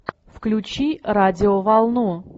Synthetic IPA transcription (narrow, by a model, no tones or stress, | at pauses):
fklʲʊt͡ɕiɾadʲɪovalˠnu